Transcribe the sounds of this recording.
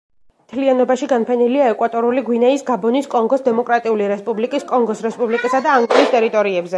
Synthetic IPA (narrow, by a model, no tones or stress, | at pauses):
mt̪ʰlianɔbaʃiɡanpʰɛniliaɛkʼwat̪ʼɔɾuliɡwinɛisɡabɔniskʼɔŋɡɔsd̪ɛmɔkʼɾat̪ʼiuliɾɛspʼublikʼiskʼɔŋɡɔsɾɛspʼublikʼisad̪aːŋɡɔɾist̪ʼɛɾit̪ʼɔɾiɛbzɛ